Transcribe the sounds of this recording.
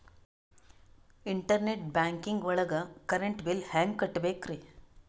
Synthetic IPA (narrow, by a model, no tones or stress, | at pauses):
iɳʈɐɾneʈ̚baːŋkiŋɡʋɐɭɐɡɐkɐɾeɳʈbilhaːŋɡkɐʈːbeːkɾi